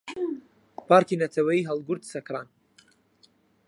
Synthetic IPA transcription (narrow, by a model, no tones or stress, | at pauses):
pʰaːɾkʰinɐt̪ʰɐwɐjiɦɛlˠɡʊɾt̪sɐkʰɾaːn